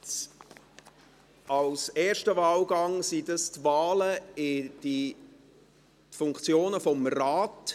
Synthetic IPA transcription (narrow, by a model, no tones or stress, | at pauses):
ɑwsɛːɾʃtəvaːlɡɑŋsidɑstvaːləɪd̥i | fʊŋkt͡sjoːnəfɔmraːt